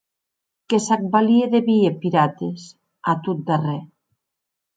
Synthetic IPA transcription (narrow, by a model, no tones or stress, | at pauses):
kesak̚balieðeβiepiɾat̪es | at̪ut̪̚d̪arɛ